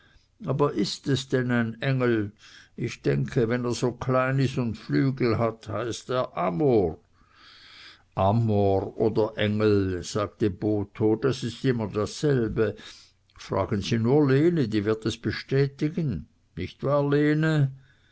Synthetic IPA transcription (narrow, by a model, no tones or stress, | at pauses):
ʔaːbɐʔɪstɛsd̥ɛnaɪnɛŋl̩ɪçd̥ɛŋkʰəvɛneːɐz̥oːkʰlaɪnɪstʊntflyːɡl̩ɦathaɪsteːɐʔamoːr | ʔamoʁoːdɐʔɛŋl̩z̥aːk̚təboːtʰod̥asɪstɪmɐdasːɛlbə | fʁa̰ːɡənziːnuːɐleːnədiːvɪɐtɛsb̥əʃtɛːtɪɡən | nɪçtvaːɐleːnə